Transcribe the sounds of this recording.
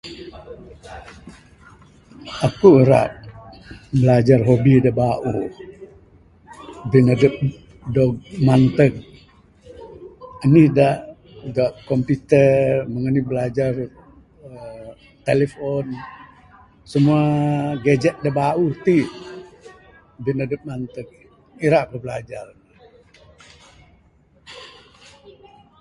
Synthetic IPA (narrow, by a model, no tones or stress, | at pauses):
akuɾa̰ʔ̚ | bəlad͡ʒarɦobidabaʔu | binədəp̚ | dɔɡ̚mant̪ək̚ | ənihdaʔ | ɡaʔkompit̪ərməŋənihbəlad͡ʒar | t̪elefɔn | səmuaɡed͡ʒɛʔ̪̚dabauht̪i | binədəp̚mant̪ək̚ | iɾaʔkəhbəlad͡ʒarn